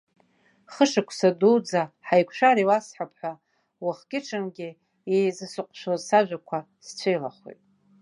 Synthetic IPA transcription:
χəʂakʷʰsaduwd͡zaħajkʷʰʂaɾiwasħapʰħʷᶣa | waχɡʲɪʈ͡ʂʰɨnɡʲɪ | jejzɨsɨqʷʼʃʷozsaʒᶣʷakʷʰa | st͡ɕʷʰejlaχo̰jtʼ

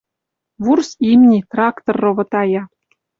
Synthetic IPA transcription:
βursimnʲit̪rɑkt̪orːoβɤ̆t̪ɑjɑ

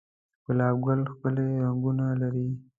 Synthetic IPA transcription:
pəlɑb̚ɡalxpəleɾaŋɡunalaɾi

